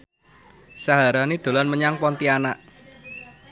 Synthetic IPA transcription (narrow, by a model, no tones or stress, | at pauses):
saɦaɾanid̪̥o̤lanməɲaŋpɔnt̪ianaʔ